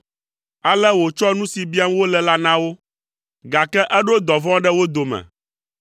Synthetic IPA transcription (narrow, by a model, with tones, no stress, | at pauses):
a˨lɛ˦wo˨t͡ʃɔ˦nũ˦si˨bi˦a˦m˦wo˦lɛ˨la˦nã˦wo˦ | ɡa˨kɛ˦ʔɛ˦ɖo˦d̪ɔ˨vɔ̃˦ɖɛ˦wo˦d̪o˨mɛ̰̃˨